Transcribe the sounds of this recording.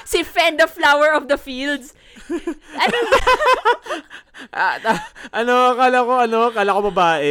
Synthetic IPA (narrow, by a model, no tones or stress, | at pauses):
sɪfɛ̃nd̪ɐflawɛɹɔfd̪ɐfild̪s | ɐ | ʔat̪aʔɐnokaːlɐkoʔɐnokaːlɐkobɐbaːʔɛ